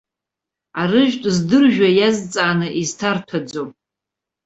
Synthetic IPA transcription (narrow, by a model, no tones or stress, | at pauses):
arɨʒᶣtʼzdɨrʒᶣajazt͡sʼaːnɨʔiztʰartʰad͡zom